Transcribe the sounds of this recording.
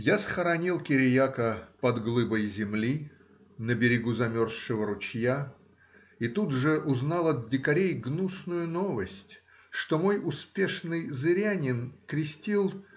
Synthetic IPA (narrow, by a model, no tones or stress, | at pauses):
jasxəɾɐnʲilˠkʲɪɾʲɪjakəpɐd̪ɡlˠɨbəjzʲɪmlʲi | nəbʲɪɾʲɪɡuzɐmʲo̞rsʂɨvəɾʊt͡ɕja | it̪ud̪ʐɨʔʊznɑlˠɐd̪̚dʲɪkɐɾʲejɡnusnʊjʊno̞vəsʲtʲ | ʂt̪omo̞jʊspʲe̞ʂnɨjzɨɾʲanʲɪnkɾʲɪsʲtʲilˠ